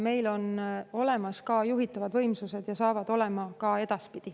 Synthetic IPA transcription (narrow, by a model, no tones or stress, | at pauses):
me̞jlo̞no̞le̞mɑskɑːjuɦit̪ːˑɑvɑd̪vɤ̞jmsuse̞d̪̥jɑsɑːvɑd̪̥o̞le̞mɑkɑe̞d̪̥ɑspid̪̥i